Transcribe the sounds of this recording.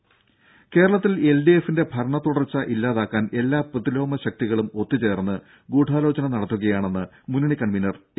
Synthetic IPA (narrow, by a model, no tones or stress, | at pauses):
ke̞ːɾɐɭɐt̪ːile̞lɖijefinde̞bʱɐrɳɐt̪uɽɐrt͡ɕːɐʔilːaːðaːkːaːnʔe̞lːaːprɨðilo̞ːmɐɕɐk̚t̪iɣɐɭumo̞t̪ːit͡ɕe̞ːrnːɨ | ɡuːʈaːlo̞ːt͡ɕɐnɐmnɐɽɐt̪ːuɣɐjaːɳe̞nːɨ | muniɳikɐɳminɐr